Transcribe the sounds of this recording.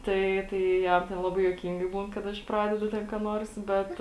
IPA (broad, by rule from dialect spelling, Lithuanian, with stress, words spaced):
ˈtɐɪ ˈtɐɪ ˈjɛm tʲɛn ˈlˠɑːbɐɪ juɔˈkʲiːŋɡɐɪ ˈbuːn kɐt ˈɐʃ ˈprɑːdʲɛdʊ tʲɛn kɑː ˈnuɔrs ˈbʲɛt